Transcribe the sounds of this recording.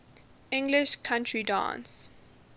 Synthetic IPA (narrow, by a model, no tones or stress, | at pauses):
ɪ̃ŋɡlɪʃkʰãntʰɹidã̰ːns